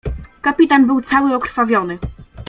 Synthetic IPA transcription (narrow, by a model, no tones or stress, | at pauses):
kapʲit̪anbɘwt̪sawɘɔkɾ̥favʲjɔnɘ